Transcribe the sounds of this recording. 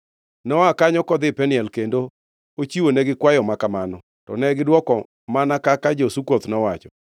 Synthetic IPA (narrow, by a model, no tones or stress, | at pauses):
nɔakaɲɔkɔd̪ɪpɛnɪɛlkendo | ot͡ʃiwonɛɡɪkwajɔmakamanɔ | tɔ̰nɛɡɪdwɔkɔ | manakakad͡ʒosukot̪nɔwat͡ʃɔ